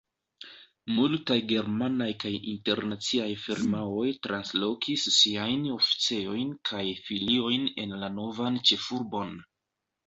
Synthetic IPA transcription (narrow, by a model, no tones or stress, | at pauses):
multajɡe̞ɾmanajkajinte̞ɾnat͡siajfiɾmao̞jtɾʔanslo̞kʰisːiajno̞fi̥t͡seo̞jnkʰajfilio̞jne̞̰nlano̞vant͡ʃe̞fuɾbo̞n